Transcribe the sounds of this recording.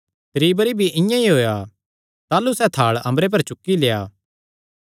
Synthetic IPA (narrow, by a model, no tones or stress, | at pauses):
t̪ɾiːbəɾibʱiʔɪ̃jãiɦoːja | t̪aːlusɛt̪ʰaːɭɐ̃mbɾep̬ɐɾt͡ʃʊkːileːjaː